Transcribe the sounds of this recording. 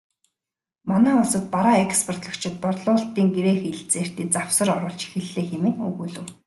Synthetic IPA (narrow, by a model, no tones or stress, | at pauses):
manæːʊsə̆t̪̚paɾaːekspʰɔr̥t̪ɮə̆kt͡ɕʰɪ̆t̪̚pɔtɮʊːɬt̪iːŋɡeɾeːxeɮt͡seːr̥t̪iːt͡saw̥sə̆rɔɾɞ̆ːɮt͡ɕi̥xɘ̆ɮːeːxemɘ̆nɵ̰ɣuːɮɘ̆w